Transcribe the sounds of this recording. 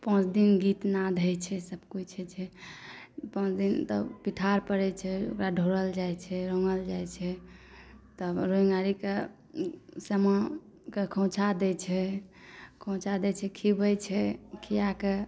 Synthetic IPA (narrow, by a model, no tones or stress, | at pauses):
pə̃t͡ʃʰd̪inɡit̪nad̪ʱɛjt͡ʃʰɛsəbkut͡ʃʰɛt͡ʃʰɛ | pə̃t͡ʃʰd̪int̪ɔ̰piʈʰaɾpəɾɛt͡ʃʰɛo̰kɾaɖʱoɾəld͡ʒajt͡ʃʰɛɾoŋəld͡ʒajt͡ʃʰɛ | t̪ɔɾoĩŋɡaɾike | səmə | kekʰɔ̃t͡ʃʰad̪ɛt͡ʃʰɛ | kʰõt͡ʃad̪ɛt͡ʃʰɛkʰibəjt͡ʃʰɛkʰijake